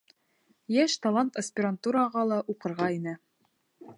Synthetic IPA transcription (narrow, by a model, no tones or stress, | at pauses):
jæʃt̪ɑlˠant̪ɐsʲpʲɪɾant̪uɾɑʁɑlˠɑʔuqɤ̆ɾʁɑinɘ